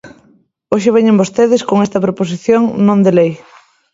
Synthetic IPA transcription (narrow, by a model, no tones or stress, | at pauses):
oʃ̬ɪβ̞ɛɲembost̪eðɪskoŋest̪ɐpɾopos̬iθjoŋnõnd̪elej